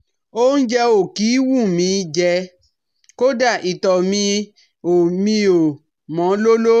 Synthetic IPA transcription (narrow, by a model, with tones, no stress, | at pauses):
o˦n̩˦d͡ʒɛ˧o˨ki˨˦wu˦˨mĩ˨˧˦d͡ʒɛ˧ | ko˦da˦˨ʔi˨tɔ˨mĩ˧ | o˨mĩ˧o˨ | mɔ̃˨˦lo˦lo˦